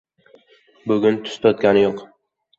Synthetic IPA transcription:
bʊɡʲʊnt̪ʰʊ̥st̪ɒt̪̚kʲanɪjoq

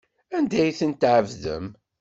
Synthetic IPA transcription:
ænd̪æjθənt̪ʕəvðə̰m

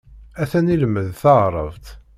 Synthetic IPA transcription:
æθæniləmːəðθɑʁɾˤəvt̪

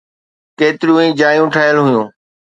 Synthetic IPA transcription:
keːt̪ɪɾijũĩːd͡ʑaːjũʈʰaːjəlɦʊjũː

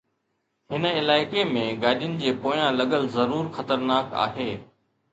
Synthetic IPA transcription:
ɦɪnə̆ɪlaːɪkemẽɡaːɗɪjʊnɪ̆d͡ʑeːpoːjãlɐɠəlzɐɾuːɾxɐt̪əɾnaːka̰ːɦeː

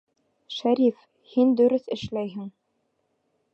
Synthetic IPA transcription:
ʃæɾif | hind̪ɵ̆ɾɵθɘ̆ʃlæjɦɘŋ

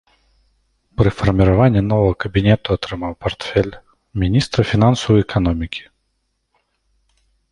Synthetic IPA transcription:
pɾɨfɐrmʲiɾavanʲːɛnɔvɐɣɐkɐbʲinʲɛt̪ʊat̪ɾɨmawpart̪fʲɛlʲ | mʲinʲist̪ɾɐfʲinansɐwɛkʰan̪ɔmʲikʲi̥

